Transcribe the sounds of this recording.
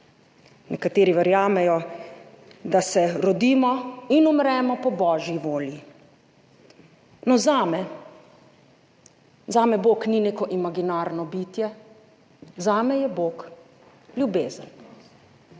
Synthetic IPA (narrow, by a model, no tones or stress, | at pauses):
nɛkat̪eːɾiʋɛɾjaːmɛjɔ | d̪asɛɾɔd̪iːmɔinumɾɛːmɔpɔbɔːʒjiʋoːlji | nɔzaːmɛ | zaːmɛboːknineːkɔʔimaɡinaːɾnɔbiːt̪jɛ | zaːmɛjɛboːk | ljubeːzən